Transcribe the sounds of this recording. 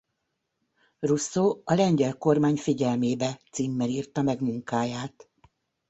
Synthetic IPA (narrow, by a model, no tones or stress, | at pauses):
rusːoːɒlɛɲɟɛlko̞rmaːɲfiɟɛlmeːbɛt̪siːmːɛliːrt̪ɒmɛɡmuŋkaːjaːt̪